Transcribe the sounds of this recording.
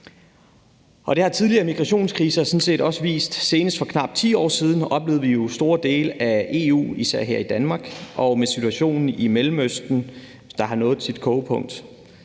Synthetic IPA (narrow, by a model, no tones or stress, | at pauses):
ʔɒ̽ɾ̥e̝hɑ̈t͡sʰiðˠliɐːmiɡ̥ʁɑɕo̝̰ːnskʰʁiːsɐsɔ̽nse̝̰ːd̥ɒ̽səʋḭːsd̥se̝ːnəsd̥fɒ̽kʰnɑ̈b̥̚t͡sʰḭːɒ̰ːsiːð̞ˠn̩ɒ̽b̥le̝ːðˠʋijo̝sd̥o̝ːɐd̥e̝̰ːləʔæe̝̰ṵːisæɐ̰ɦeɐ̰id̥ænmɑ̈ːɡ̥ʔɒ̽mesit͡sʰuæɕo̝̰ːnn̩imelm̩øsd̥n̩ | d̥ɑ̈ɦɑ̈nɔ̽ːð̩ˠsid̥̚kʰɔːpʰɔ̽ŋ̰d̥